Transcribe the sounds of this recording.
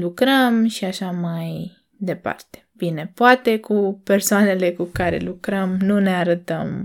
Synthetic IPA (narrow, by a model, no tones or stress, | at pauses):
lukɾəmʃiaʃamaj | d̪e̞pa̰rt̪e̥bine̞poat̪e̞kʰupe̞rsoane̞le̞kukaɾḛlukɾəmnune̞aɾət̪əm